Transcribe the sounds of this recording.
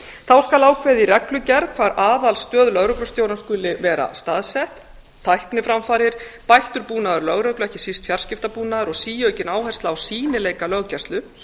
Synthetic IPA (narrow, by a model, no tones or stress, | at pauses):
θawskalaːwkʰvɛðirɛklʏcɛɾðkʰv̥aːɾʔaːðalst̪œːðlœɣɾœklʏ̥st̪joːwɾanskʏːlɪvɛːɾa̰st̪aðsɛht̪ʰː | ajhknɪfɾamfaːɾɪɾ̥pajht̪ʏɾpuːnaðʏɾlœɣɾœklʏɛhcɪ̥sist̪fjar̥scɪft̪apuːnaðʏɾɔɣsiːjœːɥcɪnaːwhɛj̥st̪laːwsiːnɪleːjkalœɣcɛ̥st̪lʏ